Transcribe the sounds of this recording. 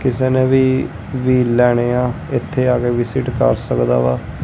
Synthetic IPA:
kɪseːnẽːʋiː | ʋiːlːɛːɽ̃eːaː | ɪt̪ʰːeːaːɡeːʋɪsɪʈkə̰ɾsəkd̪a̰ːʋaː

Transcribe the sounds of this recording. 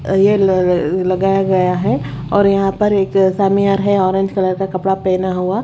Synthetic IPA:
je | lɐɡaːjaɡɐjaɦɛɔːɾjɐɦãpɐɾeːksaːmijaːɾɦɛɔːɾẽːɲd͡ʒkɐləɾkakɐpɽapɛːnaɦuaː

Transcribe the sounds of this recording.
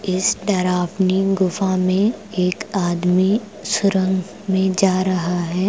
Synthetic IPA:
ɪsɖɐɾaːpniɡʊfamẽeːkaːd̪mi | sʊɾə̃ŋɡ | mẽd͡ʒaːɾɐɦaɦɛː

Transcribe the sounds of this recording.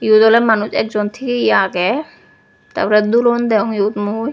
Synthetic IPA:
jut̪ɔlɛmanusɛ̰k̚zɔnt̪ʰikeiaɡɛ | t̪a̰ɾpɔɾɛd̪ulɔnd̪ɛɦɔŋjut̪muj

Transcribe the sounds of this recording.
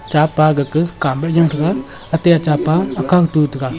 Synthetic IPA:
t͡ʃapaːɡəkɨkambɛd͡ʒaŋtɨka | ateat͡ʃaːpaakakɨtuːtɨka

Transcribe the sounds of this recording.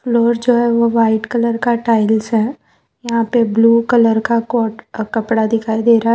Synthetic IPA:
floːɾd͡ʒoːɦɛʋoʋaːɪʈkɐləɾkaʈaːɪlsɦɛː | jɐɦãpebluːkələɾkakɔːʈkɐpɽad̪ɪkʰaːid̪eːɾaːɦ

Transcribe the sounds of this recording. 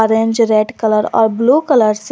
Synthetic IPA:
ɔɾẽnd͡ʒɾeːɖkələɾɔ̰ːɾbluːkələɾs

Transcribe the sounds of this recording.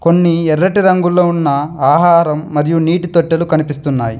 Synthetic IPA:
ko̞nːiɛɾːɐʈiɾɐŋɡulːoːunːɐaːɦaːɾɐmːɐɾijuniːʈit̪oʈːelukɐnipist̪unːaːji

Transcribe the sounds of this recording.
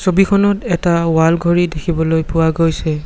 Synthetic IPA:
sobikʰɔnɔtɛtaʊwalɡʱoɹidekʰibɔlojpʊwaɡojsɛ

